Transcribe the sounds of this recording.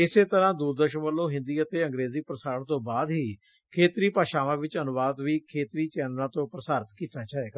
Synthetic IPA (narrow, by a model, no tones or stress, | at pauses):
ɪseːt̪əɾãːd̪uːɾd̪əɾʃənʋəlːõːɦɪ̃nd̪iːət̪eːə̃ŋɡɾeːziːpɾəsaːɾəɳt̪õːbaːd̪ɦiː | kʰeːt̪ɾiːpaːʃaːʋãːʋɪt͡ʃənʊʋaːd̪ʋiːkʰeːt̪ɾiːt͡ʃɛːnɾãːt̪õːpɾəsaːɾət̪kiːt̪aːt͡ʃaːeːɡa